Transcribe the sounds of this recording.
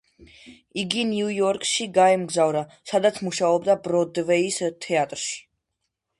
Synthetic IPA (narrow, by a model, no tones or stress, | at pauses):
iɡiniujɔɾkʼʃiɡaɛmɡzavɾa | sad̪at̪sʰmuʃaɔbd̪abɾɔd̪vɛist̪ʰɛat̪ʼɾʃi̥